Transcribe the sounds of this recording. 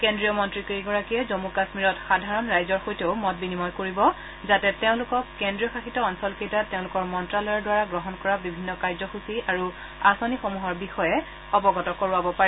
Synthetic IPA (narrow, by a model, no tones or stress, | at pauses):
kendɹijɔmɔntɹikeiɡɔɹakiɛzomukasmiɹɔtxadʱaɹɔnɹajzɔɹxojteʊmɔt̚binimɔjkoɹibɔ | zatɛteʊ̃lʊkɔkːendɹijɔxaxitɔɔnsɔlkejtateʊ̃lʊkɔɹmɔntɹalɔjɔɹdwaɹaɡɹɔɦɔnkɔɹabibʱinːɔkajzɔxusiaɹu | asɔnixomuɦɔɹbixɔjɛ | xɔbɔɡɔtɔkoɹuabɔpaɹɛ